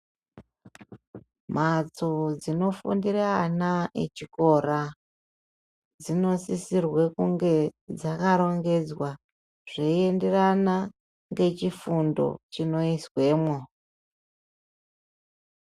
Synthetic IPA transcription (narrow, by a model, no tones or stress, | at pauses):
mat͡so̞d͡zino̞fṵndiranaḛt͡ʃiko̞ra | d͡zino̞sisirwekuŋɡe̞d͡zakaɾo̞ŋɡe̞d͡zwa | ʐ̥eie̞nde̞rana | ŋɡe̞t͡ʃifundo̞̰t͡ʃino̞iswe̞ːmwo